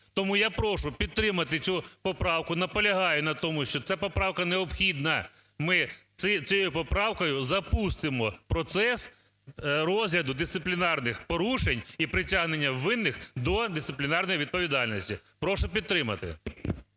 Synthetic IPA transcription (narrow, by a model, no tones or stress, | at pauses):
t̪ɔmujapɾɔʃʊpʲid̪̚t̪ɾɪmɐt̪ɪsʲupɔpɾɑwkʊnɐpɔlʲɐɦɑjʊnɐt̪ɔmʊʃt͡ʃɔt̪sɛpɔpɾɑwkɐneɔpxʲid̪nɐ | mɪ | ɪt͡sʲjojʊpɔpɾɑwkɔjʊzɐpust̪ɪmɔpɾɔt̪sɛs | rɔzɦlʲɐd̪ʊd̪ɪssɪplʲɪnɑrnɪxpɔɾuʃenʲipɾɪtʲaɦnenʲːɐwːɪnːɪxd̪ɔd̪ɪst̪ɪplʲɪnɑrnɔjiʋʲid̪̚pɔʋʲid̪ɑlʲnɔsʲtʲipɾɔʃʊpʲid̪̚t̪ɾɪmɐt̪ɪ̰